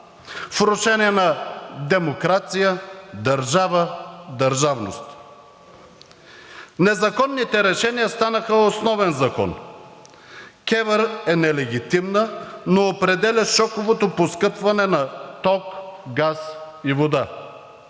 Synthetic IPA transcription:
fɾʊʃɛniɛnɐd̪ɛmokɾat̪sijəd̪ɐɾʒavəd̪ɐɾʒavno̰st̪ | nɛzɐkɔnːit̪ɛɾɛʃɛnijəst̪anəxəosnɔvɛnzɐkɔ̰n | kʲɛvəɾɛnɛlɛɡ̟ʲit̪imnənoːpɾɛd̪ɛlʲɐʃɔkovot̪oposkɤpvɐnɛnɐt̪ɔkɡas | ivod̪a

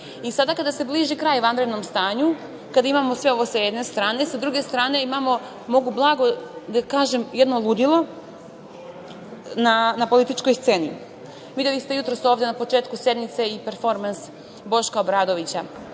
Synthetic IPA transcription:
isad̪akad̪ase̞bliʒikɾaːjʋand̪ɾed̪no̞mst̪aːɲu | kad̪aimamo̞sʋeo̞ʋo̞sajed̪ne̞st̪ɾaːne̞sad̪ɾuɡe̞st̪ɾaːne̞imamo̞ | mo̞ɡublˠaːɡo̞d̪akaːʒe̞mjed̪nolˠud̪ilˠo̞ | nanapo̞lit̪it͡ʃko̞jst̪se̞ːnḭ | ʋid̪jelist̪e̞jut̪ɾo̞so̞ːvd̪e̞napo̞t͡ʃe̞ːt̪kuse̞d̪mit̪se̞ipe̞ɾfo̞ɾmans | bo̞ʃkaobɾaːd̪o̞ʋit͡ɕa

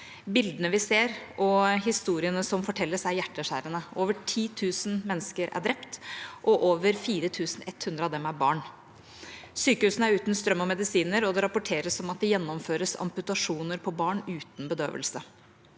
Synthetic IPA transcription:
bɪld̪ənəʋɪseːɾɔɦɪst̪uːɾɪənəsɔmfɔʈʰɛlːəsæjæʈːəʂæ̰ːɾənəʔoːʋəʈʰiːt̪ʰʉːsənmɛnːskəɾʔæ̰ɖɾɛpt̪ʔɔʔoːʋəɾfiːɾət̪ʰʉːsn̩ɛt̪ːhʉnd̪ɾəɑːʋd̪ɛmæɾbɑ̰ːɳ | syːkəʉːsn̩æɾʉːt̪nst̪ɾœmːɔmɛd̪ɪsiːnəɾɔd̪ɛɾɑpʊʈʰeːɾəsɔmɑt̪̚d̪ɛjɛnːɔmføːɾəsɑ̰mpʉt̪ɑʂuːnəɾpʰɔbɑːɳʉːt̪n̩bəd̪ø̰ːʋə̰lsə

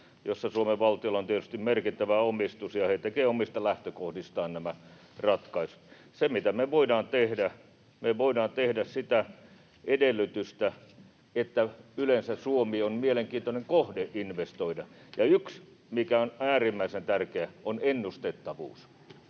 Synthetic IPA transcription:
josːɑsuomeʋʋɑlt̪iolːɑont̪iet̪y̥st̪immerkit̪ːæʋæomist̪usjɑhet̪ekeːomist̪ɑlæht̪økohdist̪ɑːnnæmæ | rɑt̪kɑisut̪ | semit̪æmeʋoidɑːnt̪ehdæ | meʋoidɑːnt̪ehdæssit̪æ | edelːˑyt̪yst̪æ | et̪ːæylensæsuomiːonmieleŋkiːnt̪oneŋkohdeʔʔinʋest̪oidɑjɑyks | mikæonæːrimːæisent̪ærkeæonenːust̪et̪ːɑʋṵːs

